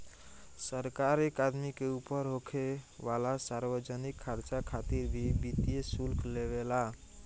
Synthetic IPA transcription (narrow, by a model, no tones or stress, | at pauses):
səɾkaɾekad̪mikeupəɾɦokʰeʋalasaɾbəd͡ʒənikʰːəɾt͡ʃakʰat̪iɾbʱibit̪ijesulkʰlebela